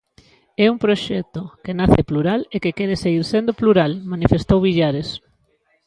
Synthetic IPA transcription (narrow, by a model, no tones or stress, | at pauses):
ɛuŋpɾoʃɛk̚t̪okenaθepluɾalekekɛɾeseɣiɾsend̪opluɾalmanifest̪owβiʎaɾes